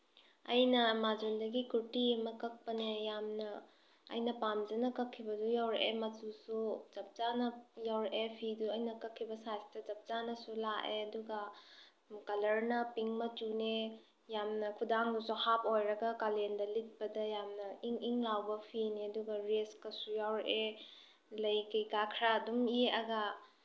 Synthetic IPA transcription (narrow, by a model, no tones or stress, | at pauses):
ɐjnɐmad͡ʒundɐɡikuɾtiɐmɐkɐk̚pɐnejamnɐ̰ː | jnɐpamd͡ʒɐnɐkɐkʰːibɐdujawɾeʔemɐtusud͡ʒɐp̚zanɐjawɾeʔepʰiduɐjnɐkɐkʰːibɐsajstɐzɐp̚t͡ʃanɐsulaʔeɐduɡɐ | kɐlɐɾnɐpiŋmɐtune | jamnɐkʰudaŋdusuhap̚ojɾɐɡɐkalendɐlik̚pɐdɐjamnɐiŋiŋlawbɐpʰiniɐduɡɐɾeskɐsujawɾeʔe | lɐjkɐjkakʰɾadumieɐɡa